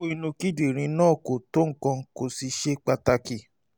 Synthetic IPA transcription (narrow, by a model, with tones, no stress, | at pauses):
o˦i˧nũ˧ki˦di˨ɾ̃ĩ˧nãː˦˨ko˨to˦ŋ̩˦˨kã˧ko˧si˧ʃe˦k͡pa˧ta˧ki˨